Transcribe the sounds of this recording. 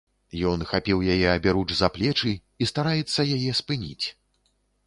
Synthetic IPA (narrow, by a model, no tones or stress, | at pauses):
jɔnxapʲiwjajɛɐbʲɛɾut͡ʂzaplʲɛt͡ʂɨ | ist̪aɾajɛt̪sːɐjajɛspɨnʲḭt͡sʲ